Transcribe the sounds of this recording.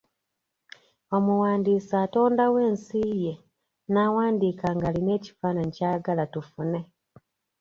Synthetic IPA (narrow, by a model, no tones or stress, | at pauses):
omuwaːndiːsaːto̞ːndawe̞ːnsiːje̞ | nawaːndiːkaŋɡaːline̞ːci̥faːnaɲicaːɡalatufune̞